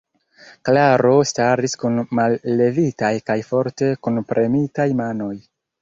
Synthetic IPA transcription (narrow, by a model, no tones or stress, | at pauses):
klaɾo̞staɾiskunmalːe̞vitajkajfo̞ɾte̞kunpɾʔe̞mitajmano̞j